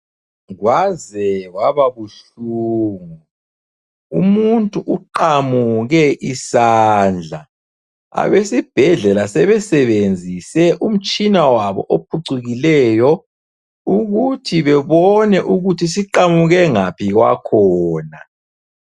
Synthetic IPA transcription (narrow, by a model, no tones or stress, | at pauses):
ɣwazɛɣwaβaβuɬuːŋu | umuntʼuʔuǃamuɣɛʔisaːnd͡ɮʱa | a̰βesib̥ʱɛɮɛlasɛβɛsɛβend͡zʱisɛʔum̩t͡ʃʼinawaβɔ̰ʔopʰuǀuɣilɛjɔ | uɣutʰiβɛβɔnɛʔuɣutʰis̬iǃamuɣɛŋapʰiɣwa̰kʰɔːna